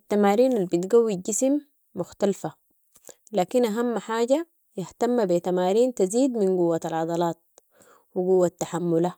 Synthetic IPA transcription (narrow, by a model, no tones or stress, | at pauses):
at̪ːamaːɾiːnalbit̪ɡawːiɟisimː | ʊxt̪alfa | laːkinʔaɦamːħaːɟa | jɪht̪amːabit̪amaːɾiːnt̪aziːd̪minɡuwːat̪alʕɑd̪ˤɑlɑːt̪̚ | wiɡuwːat̪ːaħamːula